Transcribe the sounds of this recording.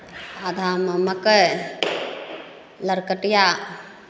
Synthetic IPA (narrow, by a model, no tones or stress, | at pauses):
ad̪ʱaːmɐmɐkə | lɐɾkəʈja